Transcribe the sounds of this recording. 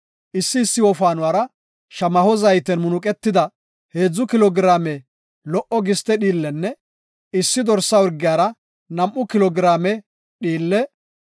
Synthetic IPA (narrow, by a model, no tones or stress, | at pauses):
ʔɪsːɪːsːɪwɔfaːnʊwaːɾɐ | ʃɐmɐhɔzɐjt̪ɛnmʊnʊkʼɛt̪ːɪd̪ɐ | he̞ːd͡zːʊkɪlɔɡɪɾaːmɛ | lɔʔɔɡɪst̪ɛɗiːlːɛnːɛ | ɪsːɪd̪ɔɾsːɐʊɾɡːɪjaːɾɐ | nɐmʔːʊkɪlɔɡɪɾaːmɛ | ɗiːlːɛ